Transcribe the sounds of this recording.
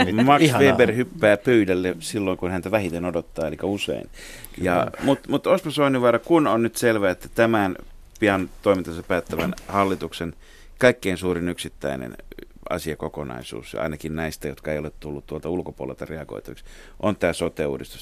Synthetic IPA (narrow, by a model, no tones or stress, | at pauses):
mɑksʋeːberhypːæːpyːdælːesilːoiŋkunhænt̪æʋæhit̪enodot̪ːɑːelikæusḛin | jɑ̰mut̪mut̪osmɑsoiniʋʋɑrɑkunonnyt̪selʋæːet̪ːæt̪æmæn | piɑnt̪oimint̪ɑsɑpæːt̪ːæʋænhɑlːit̪uksen | kɑikːeinsuːrinyksit̪ːæ̰inḛn | ɑ̰siɑkokonɑ̰isṵːsɑ̰inɑkinnæist̪æjot̪kɑḛjolet̪t̪ulːut̪t̪uolt̪ɑulkopṵo̰lḛlt̪ɑreɑɡo̰it̪ʋiks | ʔont̪æːsot̪ˑḛːṵːdist̪u̥s